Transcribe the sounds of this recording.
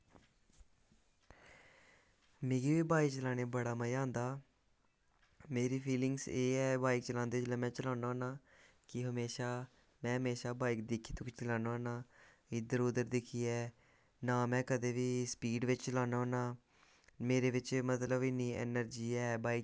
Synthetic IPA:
mẽːɡiːʋiːbaːiːt͡ʃəlaːɽ̃eːbəɽaːməjãːnd̪aː | meːɾiːpʰiːlɪŋɡseːɛːbaːik̚t͡ʃəlãːnd̪eːt͡ʃlɛːmɛ̃ːt͡ʃəlaːnaoːnaː | kɪɦəmeːʃaː | mɛ̃ːɦəmeːʃaːbaːik̚d̪ɪkʰiːt̪õːkt͡ʃəlaːnaːnaː | ɪd̪əɾoːd̪əɾd̪ɪkʰiːɛː | naːmɛ̃ːkəd̪eːʋiːspiːɖʋɪt͡ʃt͡ʃəlaːnaoːnaː | meːɾeːʋɪt͡ʃmət̪ləbɪniːɛ̰ːnəɾd͡ʒiːɛːbaːik

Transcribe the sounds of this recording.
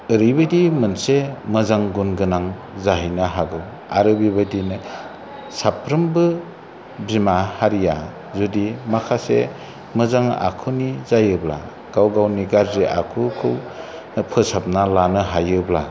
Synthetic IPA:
ɯɾibɯdimɯnsemɯzaŋɡunɡɯnaŋ | zaɦijnaɦaɡɯw | aɾɯbibadinɯ | sapʰɾɯmbɯ | bimahaɾija | zudimakʰasḛ | mɯzaŋa̰kʰɯnizajɯbla̰ | ɡ̥awɡawniɡaɾziʔa̰kʰɯkʰɯw | nɯpʰɯsap̚nalanɯɦajɯbla̰

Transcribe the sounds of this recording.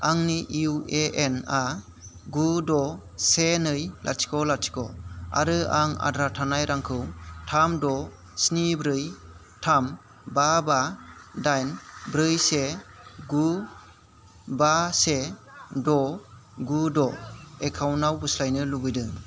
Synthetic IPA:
aŋniʔiueʔena | ɡudɔ | senɯjla̰t͡ʃʰi̥kɔlat̚sʰi̥kɔ̰a̰ɾɯaŋa̰dɾatʰanajɾaŋkʰɯwtʰamdɔ | snibɾɯj | tʰam | babadajnbɾɯjse | ɡu | basedɔɡudɔekʰawnawbɯslajnɯlubɯjdɯŋ

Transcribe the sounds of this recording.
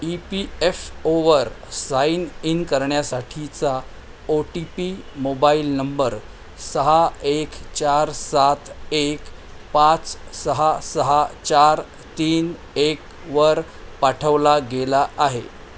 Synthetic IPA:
ipiefoʋəɾsaininkəɾɳjasaʈʰit͡sa | oʈipimobailnəmbəɾ | səɦaekt͡ɕaɾsat̪ek | pat͡ssəɦasəɦat͡ɕaɾ | t̪iːn | ek̚ | ʋəɾ | paʈʰəʋlaɡelaʔaɦḛ

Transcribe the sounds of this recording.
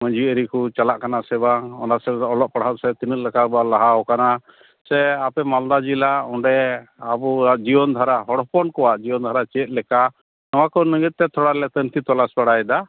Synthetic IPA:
məɲd͡ʒiəɾikut͡ʃalaʔkanasɛbaɔnasɛɔlɔʔ̚paɽ̤at̪̚sɛt̪inət̪̚lɛkabɔalaɦaɔkana | sɛapɛmald̪ad͡ʒilaɔɳɖɛabud͡ʒibɔnd̪ʱaɾaɦɔɽɔpɔnkɔwaʔd͡ʒibɔnd̪ʱaɾat͡ʃɛt̪̚ˀlɛka | nɔwakɔnəɡit̪̚t̪ɛt̪ʰɔɽalɛt̪ənt̪ʰit̪ɔlaspaɽajd̪a

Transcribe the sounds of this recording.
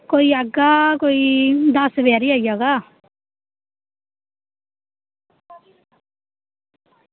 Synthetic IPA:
koːiəɡakoːid̪asʋɛːɾiaːijaːɡaː

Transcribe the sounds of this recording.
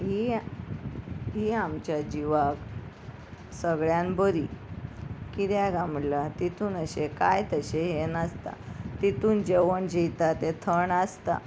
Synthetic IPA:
ɦi | ɦiamt͡ɕjad͡ʑiʋak | səɡɭjãnbəɾi | kiɾjaɡamɽlat̪it̪uːnəɕekajt̪əɕeɦenəst̪a̰t̪it̪uːnd͡ʑeʋəɳd͡ʑijt̪at̪et̪ʰəɳast̪a̰

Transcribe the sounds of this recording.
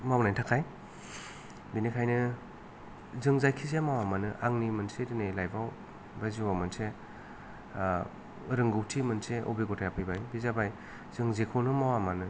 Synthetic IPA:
mawnajtʰakʰaj | binikʰajnɯ | zɯŋzajkʰizamawamanɯʔaŋnimɯnsedinejlajbaw | baziwamɯnse | ɾɯŋɡɯwtʰimɯnseʔo̰beɡɔtʰajapʰɯjbajbizabaj | z̥ɯŋzekʰownɯmawamanɯ

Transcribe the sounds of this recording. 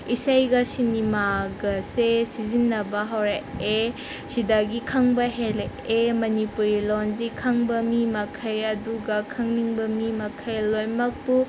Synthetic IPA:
isajɡɐsinimaɡɐsesizinːɐbɐɦɐwɾae | sidaɡikʰɐŋbɐɦel | emɐnipuɾilonzikʰɐŋbɐmimɐkʰɐjɐduɡɐkʰɐŋniŋbɐmimɐkʰɐjlojmɐk̚pu

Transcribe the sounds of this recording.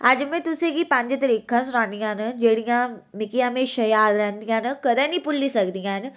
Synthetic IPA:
ad͡ʒmẽt̪ʊsẽkipãɲd͡ʒt̪ɐɾiːkʰːãsʊnaːnijãnəd͡ʒeːɽijãmɪkijãmẽʃɐjaːɾɾɛ̃nd̪ijãːnəkɐd̪ə̃nipʊlːisɐkd̪ijãːn

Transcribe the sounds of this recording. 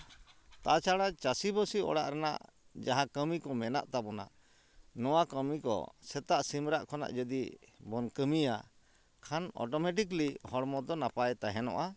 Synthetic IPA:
t̪at͡ʃaɽat͡ʃasibɔsiɔ̰ɽaʔɾɛna̰ʔ | d͡ʒaɦakəmikɔmɛna̰ʔt̪abɔna̰ | nɔwakəmikɔ̰sɛt̪aʔsimɾaʔkʰɔna̰ʔd͡ʒəd̪ibɔnkəmija | kʰanɔ̰ʈɔmɛʈ̬iklihɔɽmɔd̪ɔnapajt̪aɦɛnɔ̰ʔa

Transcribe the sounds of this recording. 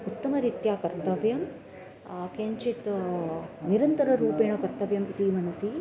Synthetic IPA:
ut̪ːɐmɐɾit̪jaːkɐɾt̪ɐʋjɐm | keːɲt͡ʃit̪ | niɾɐnt̪ɐɾɐɾuːpeːɳɐkɐɾt̪ɐʋjɐmit̪imɐnɐsi

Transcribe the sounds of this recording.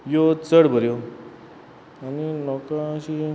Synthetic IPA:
jot͡səɽbʱəɾjo | aninɔkãɕi

